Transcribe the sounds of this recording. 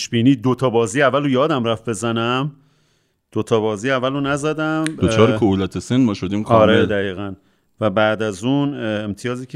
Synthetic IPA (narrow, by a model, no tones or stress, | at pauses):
ʃbiːniːd̪ot̪ʰɒːbɒːziːjævːælojɒːd̪æmræfbe̞zænæm | d̪̥ot̪ʰɒːbɒːziːævːælonæzæd̪æmot͡ʃʰɒːɾekʰohulæt̪ʰesenmɒːʃod̪iːmkʰɒːɾed̪æɣiːɣæn | væbæd̪æzuːnemt̪ʰijɒːziːcʰe